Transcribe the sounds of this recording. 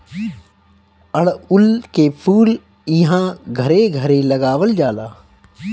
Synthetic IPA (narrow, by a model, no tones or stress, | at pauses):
əɽʊlkeːpʰuːl | ɪɦãɡʱəɾeɡʱəɾeləɡaːʋəld͡ʒaːlaː